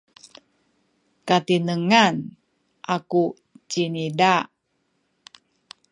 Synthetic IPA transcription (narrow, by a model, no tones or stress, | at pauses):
kat̪inəŋan | ʔaku | t͡ʃinidaʔ